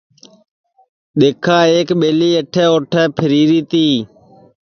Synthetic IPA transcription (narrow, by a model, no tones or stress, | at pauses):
ɗ̪eːkʰãːeːkɓeːliːeəʈʰɛːoːʈʰɛːpʰəɾiːɾiːt̪iː